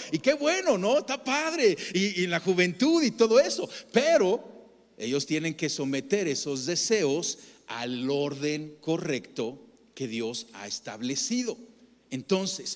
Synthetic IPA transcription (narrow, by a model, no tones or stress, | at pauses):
ike̞βwe̞no̞no̞st̪apaðɾe̞inlaxuβe̞nt̪uðit̪o̞ðo̞e̞so̞pe̞ɾo̞ | e̞̰ʝo̞st̪je̞nẽ̞ŋke̞so̞me̞t̪e̞ɾe̞so̞zðe̞se̞osa̰lo̞ɾðe̞ŋko̞re̞kt̪o̞ | ke̞ðjo̞sa̰est̪a̰βle̞siðo̞ | e̞nt̪o̞nses